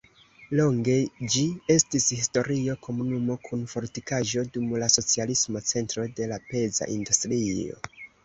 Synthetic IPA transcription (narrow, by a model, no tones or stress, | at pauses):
lo̞ŋɡe̞d͡ʒie̞stishisto̞ɾio̞kʰo̞munumo̞kʰunfo̞ɾtikaʒo̞dumlaso̞t͡sialismo̞t͡se̞ntɾo̞de̞lape̞za̰ʔindustɾio̞̰